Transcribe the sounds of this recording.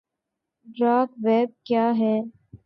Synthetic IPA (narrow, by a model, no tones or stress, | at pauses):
ɖɾaːkʋɛːb̚kjaːɦɛː